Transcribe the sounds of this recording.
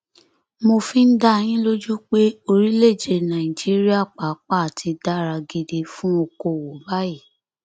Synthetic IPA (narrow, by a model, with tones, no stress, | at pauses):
mo˧fĩ˦n̩˦da˦e˧j̃ĩ˦lo˦d͡ʒu˦k͡pe˦o˧ɾi˦le˦˨d͡ʒe˧˨nã˨i˨d͡ʒi˦ɾi˦a˦˨k͡pa˨˦k͡pa˦˨a˨tʰi˧da˦˨ɾa˧ɡe˧de˧fũ˦o˧ko˨wo˨ba˦ji˦˨